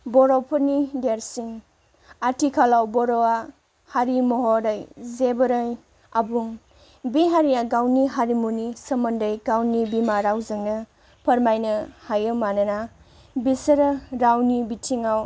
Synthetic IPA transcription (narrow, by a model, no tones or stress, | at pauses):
bɔɾɔwpʰɐɾnideɾsiŋ | atʰikʰalawbɔɾɔwa | haɾimɔɦɔɾajzebəɾaj | abuŋ | biɦaɾijaɡawniɦaɾimunisɐmɐndəjɡawnibimaɾawzɯŋnɐ | pʰɐɾmajnɐhajɯmanɐna | bisɐɾɐɾawnibitʰiŋaw